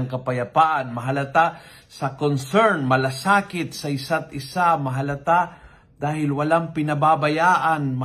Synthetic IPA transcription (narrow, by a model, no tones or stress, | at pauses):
ŋkɐpɐjɐpaʔanmɐɦɐlɐt̪a | sɐkonsɛɾnmɐlasaːkɪt̪̚sɐʔɪsat̪ɪsamɐɦɐlɐt̪a | d̪̥aːhɪlwɐlaŋpɪnɐbabɐjaːʔanmɐ